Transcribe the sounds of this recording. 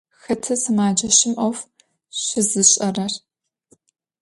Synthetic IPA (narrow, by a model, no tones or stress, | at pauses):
xɐtʰɐsɨmaːd͡ʒɐɕɪmʔɐwf | ɕɪzɨɕʼɐrɐr